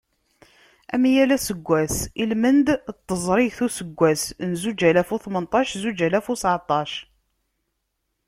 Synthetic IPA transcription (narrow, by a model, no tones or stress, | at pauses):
æ̰mijælæsəɡʷːæsilmənd̪t̪ˤːəzˤɾˤiθusəɡʷːæsnzud͡ʒælæfuθmənt̪ˤɑʃzud͡ʒælæfusʕt̪ˤɑʃ